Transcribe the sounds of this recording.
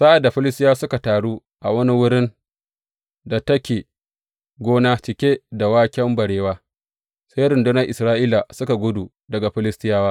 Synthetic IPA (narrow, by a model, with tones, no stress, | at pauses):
sa˦ʔa˨dːa˨ɸɪ˦lɪ˦s̬tɪ˦jaː˦sʊ˦ka˨taː˨ɽuː˦ | ʔa˨wɐ˦ni˦wʊ˦ɽɪ˦n | da˨tɐ˦kʲeː˨ | ɡʷoː˦naː˦t͡ʃɪ˨kʲeː˦da˨waː˦kʲɛ˦mbɐ˨ɽeː˨waː˦ | sa˦jɾɪ˨ndʊ˦na˦ʔɪ˨sɾaː˦ʔiː˦la˨sʊ˦ka˨ɡʷʊ˦du˨ | dɐ˨ɡa˨ɸɪ˦lɪ˦stɪ˦jaː˦waː˦